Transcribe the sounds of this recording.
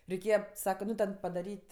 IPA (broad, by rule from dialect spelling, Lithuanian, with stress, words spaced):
rʲɛɪˈkʲeːjɛ ˈsɑːkɐ ˈnʊ tʲɛn pɐdɐˈrʲiːtʲ